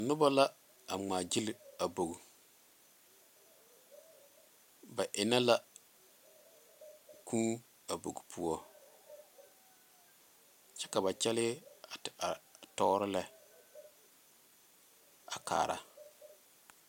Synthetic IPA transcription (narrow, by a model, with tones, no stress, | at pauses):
a˨nʊ˦ba˦la˦ | a˨ŋ͡maː˨d͡ʒɪ˦lɪ˦a˨bo˨ɡu˨ | ba˨ʔɪ˨na˦la˦ | kʰuː˦ | a˨bo̰˨ɡu˨pʰu˦ɔ˦ | t͡ʃɛ˦ka˨βa˨t͡ʃɛ˦lɪ˦a˨a˨tɔ˦ɾɪ˦lɛ˦ | a̰˨ka̰ː˨ɾa̰˨